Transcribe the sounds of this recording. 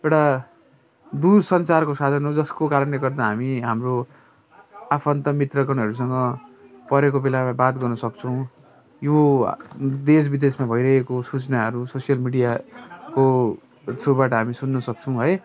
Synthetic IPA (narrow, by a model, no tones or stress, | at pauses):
ewʈa | d̪uɾsʌnt͡sarkosad̪ʱʌnɦod͡zʌskokaɾʌnleɡʌrd̪aɦamiɦamro | apʰʌnt̪ʌmit̪rʌkʌnɦʌɾus̬ʌŋɡʌpʌɾekobelamabat̪ɡʌrnʌsʌkt͡sʰʌw̃ | jo | d̪esbid̪esmabʱʌjɾʌɦekosut͡snaɦʌɾusosijʌlmiɽijako | t̪ʰobaʈʌɦamisunːʌsʌk̚t͡sʰʌ̃w̃ɦʌj